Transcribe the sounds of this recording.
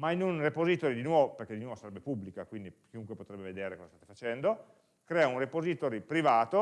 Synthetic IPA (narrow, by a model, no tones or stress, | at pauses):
mainunrepozit̪oːɾid̪inwɔvoperked̪inwɔːvosaɾɛbːepubːlikakwind̪ikiuŋkwepot̪ɾɛbːeved̪eːɾekozast̪at̪efat͡ʃɛnd̪o | kɾɛːaunrepozit̪oɾipɾivaːt̪o